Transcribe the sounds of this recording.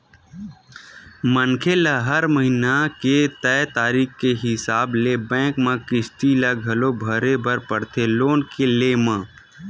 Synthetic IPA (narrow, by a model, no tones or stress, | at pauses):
mənkʰelaɦəɾməɦinaket̪ɛt̪aːɾiːkkeɦɪsaːblebɛ̃ːkmãkɪsʈ̪ilaɡʱɐlobʱəɾebəɾpəɽt̪ʰeloːnkeleːmãː